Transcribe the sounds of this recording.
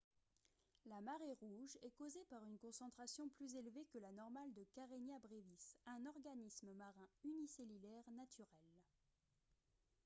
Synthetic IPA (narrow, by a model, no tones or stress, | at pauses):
lamaʁeʁuʒɛkozepaʁynkɔ̃sɑ̃t̪χasjɔ̃plyzelvekəlanɔʁmald̪əkaʁenjabʁevisɛ̃nɔʁɡanisməmaʁɛ̃yniselylɛʁnat̪ʰyʁɛl